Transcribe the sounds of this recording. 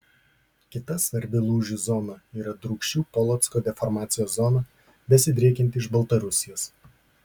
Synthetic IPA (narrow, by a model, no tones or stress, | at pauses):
kʲɪt̪ɐsʋɐɾʲbʲɪlˠuːʒʲʊzɔnɐiːɾɐd̪ɾʊːkʃʲt͡ʃʲuːpɔlˠɔt̪skoːd̪ʲɛfɔɾmɑːt̪sʲɪjoːszɔnɐ | bʲɛsʲɪd̪ʲɾʲeːkʲɛnʲt̪ʲɪɪʃbɐlˠt̪ɐɾʊsʲɪjoːs